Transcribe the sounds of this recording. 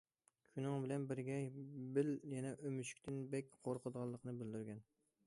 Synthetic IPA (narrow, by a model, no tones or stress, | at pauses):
kʲʰynɪŋbɪlɛnbɪɾɡʲɛbɪljɛnɛʔømyʃy̥kʲt̪ʰɪnbɛkʲqʰoɾqʰəd̪əʁɑlˠːəqʰənɨbɪld̪yɾɡʲɛn